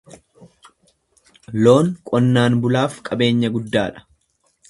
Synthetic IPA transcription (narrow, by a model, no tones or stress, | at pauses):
lo̞ːŋkʼɔnːaːnbʊlaːfkʼɐbe̞ːɲːɐɡʊd̪ːaːᶑɐ̥